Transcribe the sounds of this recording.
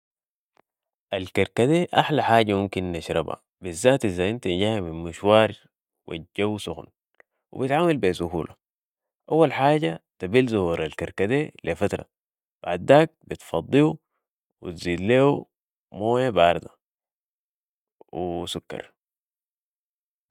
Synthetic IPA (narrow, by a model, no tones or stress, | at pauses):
ʔalkaɾkad̪eːʔaħlaħaːɟamumkinːaʃɾˤɑ̰ba̰ | bizːaːt̪ʔizaʔint̪anɟaːhaminmuʃwɑːɾ | wʔa̰ɟːawusuxn | wḭbit̪ʕaːmalbesuhuːlʔa | ʔawːalħaːɟat̪abilzuhuɾalkaɾkad̪eːlefat̪ɾˤɑ̰ | b̥aʕd̪ːaːk̚bit̪fɑd̪ˤːiu | wḭt̪ziːd̪leːu | moːjabʔɑɾˤd̪a | wisukːɑ̰ɾˤ